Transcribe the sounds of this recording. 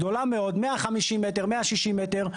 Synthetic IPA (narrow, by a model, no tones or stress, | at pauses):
d̪o̞lameo̞d̪meaχamiʃimet̪eʁmeaʃiʃimet̪eʁ